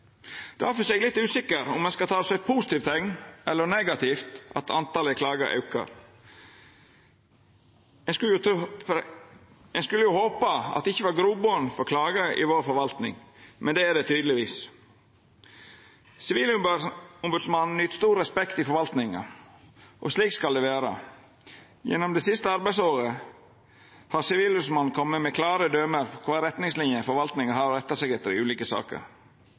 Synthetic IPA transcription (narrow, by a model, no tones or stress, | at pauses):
d̪̥ɛʋɑɾfɔsɛːɡlɪt̪ːʉːsɪkːəɾʊ̰mɛnskɑlt̪ʰɑːsɛpʰusɪt̪iːʋt̪ʰɛŋnɛlːəɾnɛɡɑt̪ʰɪːft̪ʔɑ̰t̪ɑ̰nt̪ɑːləkʰlɑːɡəɾʔɑ̰ʉkə̰ɾ | ɛk | ɛnskʉlːəjʊhoːpɑɑ̰t̪d̪ɛɪçːəʋɑːɾɡɾuːboənfɔɾkʰlɑːɡəʔɪ̰ʋoːɾfɔɾʋɑlt̪nɪ̰ŋmɛnd̪eːæd̪ɛt̪ʰyːd̪əlɪʋiːs | sɪʋiːlʊmbʉd̪smɑnn̩ʏt̪st̪uːɾɾɛspɛkt̪ɪfɔɾʋɑlt̪nɪŋɑ̰ | ʔɔ̰sliːkskɑld̪ɛːʋeːɾə̰ | jɛ̰nːɔmd̪ɛːsɪst̪əɑɾbæɪsoːɾə | hɑɾsɪʋiːlʉsmɑn̩kʰɔmːəmɛkʰlɑːɾəd̪øːməɾkʰʋɑːɾɛt̪nɪŋslɪnjəfɔɾʋɑlt̪nɪŋəɦɑɾɾɛt̪ːəsɛɡɛt̪ːəɾɪ̰ʉːliːkəsɑ̰ːkə̰ɾ